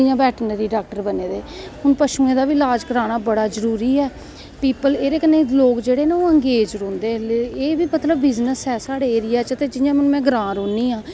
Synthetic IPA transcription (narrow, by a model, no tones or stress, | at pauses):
ɪjãːbɛːʈnəɾiːɖaːk̚ʈəɾbəneːd̪eː | hʊnpəʃũːẽːd̪aːʋiːlaːd͡ʒkəɾaːnaːbəɽaːzəɾuːɾiːɛː | piːpəleːɾeːkənːeːloːkd͡ʒeːɽeːneːoːəŋɡeːd͡ʒɾõːnd̪eːleeːʋiːmət̪ləbːɪznəsɦɛːsaːɽeːeːɾɪjaːt͡ʃət̪eːd͡ʒɪjãːməñːmɛ̃ːɡɾãːɾõːnːiːãː